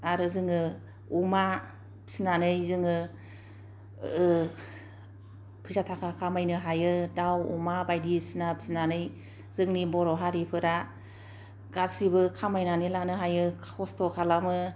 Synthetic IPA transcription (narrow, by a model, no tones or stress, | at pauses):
aɾɯzɯŋɯ | uma | pʰi̥sinanɯjzɯŋɯ | pʰɯzatʰakʰakʰamajnɯɦajɯdawṵmabajdisinapʰi̥sinanɯj | z̥ɯŋnibɔɾɔɦaɾipʰɯɾa | ɡ̥asibɯkʰamajnanɯlanɯɦajɯɔstʰɔkʰalamɯ